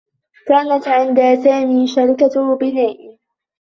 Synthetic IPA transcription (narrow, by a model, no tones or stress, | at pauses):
kaːnat̪ʕɪnd̪aːsaːmiːʃaɾkahbɪnaːʔ